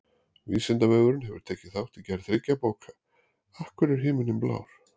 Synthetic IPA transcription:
viːsɪnt̪avœːɣʏɾɪnɦɛvʏ̰ɾ̥t̪ʰɛːcɪθawht̪icɛɾθɾɪcːapoːwkʰa | ahkvʏɾɛɾ̥ɦɪːmʏnɪmpla̰ːwɾ̥

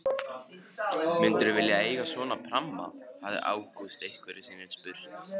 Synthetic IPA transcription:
mɪnt̪ʏɾʏvɪljaeːjɣasvɔːnapʰɾamːa̰haðɪ̰ɾʔa̰ːwkust̪ejhkvɛɾɪsiːnːɪnspʏɾ̥t̪

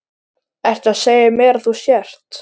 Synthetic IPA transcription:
ɛr̥t̪aðseːjɪmɛːɾθusjɛr̥t̪

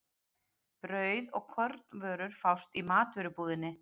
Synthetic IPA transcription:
pɾœːɥðɔɣkʰœɾt̪nvœːɾʏɾ̥fawst̪imaːt̪vʏɾʏpuːðɪnːɪ

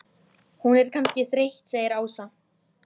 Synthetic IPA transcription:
hunɛɾ̥kʰanscɪθɾeht̪seːjɪɾaːwsa

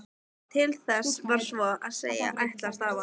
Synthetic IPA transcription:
t̪ʰɪlθɛsvaɾ̥svɔaðsḛːja̰ʔajht̪last̪aːva

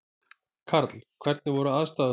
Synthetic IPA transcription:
kʰaɾt̪lkʰvɛɾt̪nɪvɔɾʏaðst̪aːð

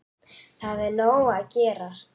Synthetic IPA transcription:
θaðɛɾnoːwaðcɛːɾast̪̚

